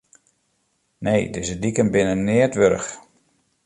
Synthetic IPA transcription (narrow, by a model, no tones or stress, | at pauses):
nejdɪzədikənbɪnənːɪətʋøɾəx